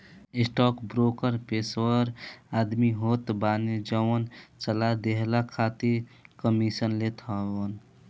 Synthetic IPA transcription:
ɪsʈɔkbɾokəɾpeswəɾad̪miɦot̪baned͡ʒəwənt͡ʃəlad̪eɦlakʰat̪ikəmisənlet̪ʰɦəən

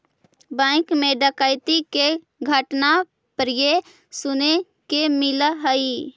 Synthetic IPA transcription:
bə̃ɪkmẽɖəkəɪt̪ike | ɡʱəʈna | pɾije | sʊne | kemɪlɦəi

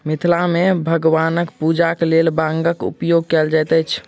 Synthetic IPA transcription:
mit̪ʰlamebʱəɡʋanəkpud͡ʒaklelbãŋɡəkṵpjoɡ̚kɛld͡ʒajt̪ət͡ʃʰ

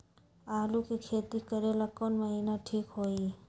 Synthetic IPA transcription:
aːlukikʰeːt̪ikəɾelakonməɦinaʈʰiːkɦoːi

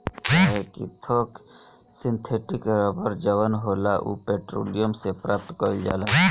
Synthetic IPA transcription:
ɦɛkḭt̪ʰoːk | sɪnt̪ʰeːʈɪkɾəbəɾd͡ʒəʋənɦoːlaʔṵːpeːʈɾo̰ːlijəmsepɾaːp̚t̪kəɾid͡ʒa̰ːla

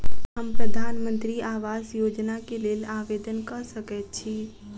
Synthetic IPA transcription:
ɦəmpɾəd̪ʱaːnmə̃nt̪ɾiʔaːʋaːzjoːd͡ʒnakeleːlaːʋeːd̪ənkəsəkɛt̪̚t͡ʃʰiː

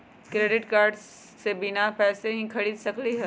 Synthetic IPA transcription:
kɾeːɖɪʈkaːɾɖ | sebɪnapɛːseɦĩkʰɐɽiːd̪sɐkliɦɛ

